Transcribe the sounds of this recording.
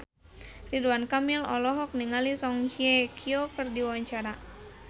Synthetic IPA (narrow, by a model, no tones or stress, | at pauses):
riduankamilɔ̰lɔɦɔk̚niŋalisɔŋhiekʰiokɨrdiwawaɲt͡ʃaɾa